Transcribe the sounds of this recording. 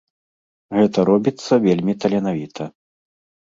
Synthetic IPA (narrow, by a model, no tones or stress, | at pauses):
ɣɛt̪ɐɾɔbʲit̪sːɐvʲelʲmʲit̪ɐlʲɛnavʲit̪ʰɐ